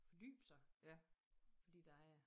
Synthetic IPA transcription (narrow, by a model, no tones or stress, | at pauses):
fɒd̥y̰ːb̥sɑ̈ɪ | fɒ̽d̥ḭːd̥ɑ̈æ